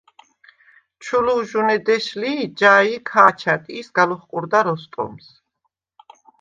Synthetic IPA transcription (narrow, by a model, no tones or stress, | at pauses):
t͡ʃʰuluʒunɛd̪ɛʃlid͡ʒaːikʰaːt͡ʃʰat̪ʼiːsɡaluχqʼuɾd̪aɾɔst̪ʼɔ̰ms